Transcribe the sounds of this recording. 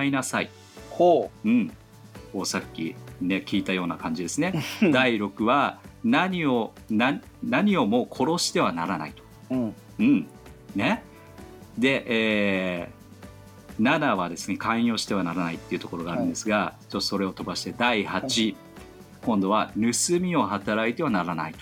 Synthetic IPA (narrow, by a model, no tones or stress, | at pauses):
ainasaḭ | ɯ̟̃ɴ | koːsakʲːḭne̞kʲiːt̪ajo̞ːnakãɲ̟d͡ʑid̪e̞sɨne̞d̪aiɾo̞kɯ̟βanaɲ̟io̞ | na | naɲ̟io̞mo̞ːkʰo̞ɾo̞ɕi̥t̪e̞βanaɾana̰it̪o̥ | ɯ̟̃ɴ | ne̞ | d̪e̞ʔeː | nad̪aβad̪e̞sɨ̥ne̞kʰãĩo̞ːɕi̥t̪e̞β̞anaɾanait̪ːe̞iɯ̟t̪o̞ko̞ɾo̞ɡaːɾɯ̟̃nd̪e̞sɨɡat͡ɕot̪ːo̥so̞ɾe̞o̞t̪o̞baɕi̥t̪e̞d̪aihat͡ɕi | kõ̞nd̪o̞β̞aɾɯ̟sɨmʲio̞hat̪aɾait̪e̞β̞anaɾana̰it̪o